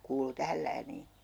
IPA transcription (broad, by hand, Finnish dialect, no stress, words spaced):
kuːlu tæhæl læːniː